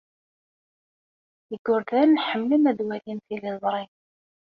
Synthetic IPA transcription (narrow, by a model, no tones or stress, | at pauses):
əɡʊɾðænːħəmːləmæd̪wælinθiləzˤɾˤin